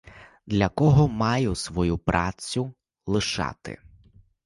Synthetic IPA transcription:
d̪lʲɐkɔɦɔmɑjʊsʋɔjupɾɑt͡sʲːʊ | lˠɪʃɑ̰t̪ɪ̰

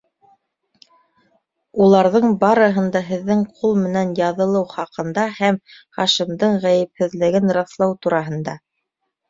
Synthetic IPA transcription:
ulˠɑɾðɤɴbɑɾɤ̆ɦɤ̆nd̪ɑɦɘ̆ðːɘŋqʰulˠmɘ̆nænjɑðɤ̆lˠɤwχɑqɤ̆nd̪ɑhæmχɑʃimd̪ɤɴʁæjɘ̆p̚hɘ̆ðlɘ̆ɡɘnɾɑθlˠɑwt̪uɾɑɦɤ̆nd̪ɑ

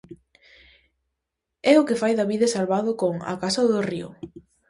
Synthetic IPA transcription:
ɛʊkɪfajðɐβiðɐsalβaðʊkoŋa̰kasɐðʊriʊ̰

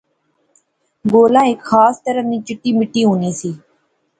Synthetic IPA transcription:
ɡoːlãːɪkxaːst̪əɾənĩːt͡ʃɪʈːiːmɪʈːiːɦũːniːsiː

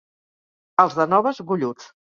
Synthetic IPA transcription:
əlˠzðənɔβəzɣuʎut͡s

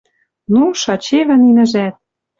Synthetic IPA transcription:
nuʃɑt͡ɕeβɘ̆ninɘ̆ʒæt̪̚

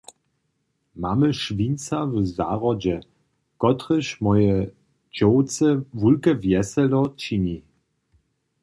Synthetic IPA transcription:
maməʃvint͡savza̰ʁɔd͡ʑɛ | kɔtʁəɕmɔjə | d͡ʑɔwt͡səvulkəvjɛsɛlɔt͡ɕini

